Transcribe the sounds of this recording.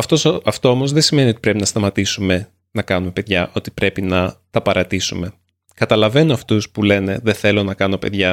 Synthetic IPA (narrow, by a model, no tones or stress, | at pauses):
ɐft̪osɐft̪o̞omozðesime̞nio̞t̪i̥pɾe̞pinɐst̪ɐmɐt̪isume̞ | nɐkɐnume̞pe̞ðʝɐʔo̞t̪i̥pɾe̞pinɐt̪ɐpɐɾɐt̪isume̞ | kɐt̪ɐlɐve̞noɐft̪uspule̞ne̞ðe̞θe̞lo̞nɐkɐno̞pe̞ðʝɐ